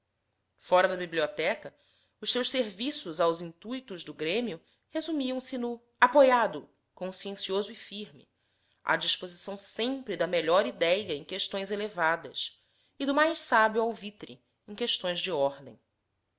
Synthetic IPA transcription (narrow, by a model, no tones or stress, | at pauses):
fɔɾɐd̪ɐbibliɔt̪ɛkɐ | ʊʃsewʃseɾvisʊzawzĩnt̪ujt̪ʊzd̪ʊɡɾẽmiʊ | hezumiɐ̃w̃sɪnʊ | apojad̪ʊ | kõsiẽsiozʊɪfiɾmɪ̰ | a̰d͡ʒiʃpozisɐ̃w̃sẽmpɾɪd̪ɐmeʎɔɾid̪ɛjɐẽj̃keʃt̪õj̃zelevad̪ɐ̰s | ɪd̪ʊmajʃsabiuawvit̪ɾḭ | ẽj̃keʃt̪õj̃zd͡ʒɪɔɾd̪ẽj̃